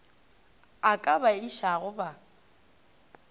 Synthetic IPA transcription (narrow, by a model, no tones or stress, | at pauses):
akʼabaiʃaɣʊba